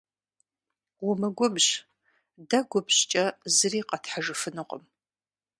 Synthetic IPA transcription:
wʊmɐɡʷʊbʑ | dɐɡʷʊbɕt͡ʃʼɐzɨriːqɐtħaʐɨfɨnɨqʷʼə̰m

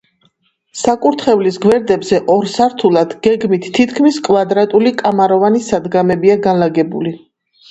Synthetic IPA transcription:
sakʼuɾt̪ʰχɛvlisɡwɛɾd̪ɛbzɛʔɔɾsaɾt̪ʰulˠad̪̥ɡ̥ɛɡmit̪ʰːit̪ʰkʰmiskʼvad̪ɾat̪ʼulikʼamaɾɔvanisad̪ɡamɛbiaɡanlaɡɛbuli

